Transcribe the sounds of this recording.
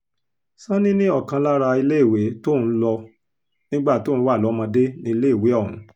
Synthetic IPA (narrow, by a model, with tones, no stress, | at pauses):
sã˦nĩ˦nĩ˦ɔ˦˨kã˧la˦ɾa˧i˧le˦i˦˨we˨˦to˦˨n̩˦lɔ˧ | nĩ˦ɡ͡ba˦˨to˨˦˨wa˦˨lɔ˨˦mã˧de˦nĩ˧i˧le˦i˦˨we˨˦ɔ˦˨nũ˨˦